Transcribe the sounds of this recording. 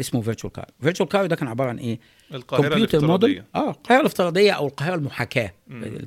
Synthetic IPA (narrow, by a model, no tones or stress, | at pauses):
ʔesmoveɾt͡ʃuælkɑ̰ɾjveɾt͡ʃuælkɑɾjd̪ækæːnʕebɑːɾˤɑʕanʔeː | pjuːt̪ɑɾmod̪eʔæːqɑheɾˤɑleft̪eɾˤɑːd̪ˤejːæʔæwelqɑheɾˤælmʊħakæ̰ː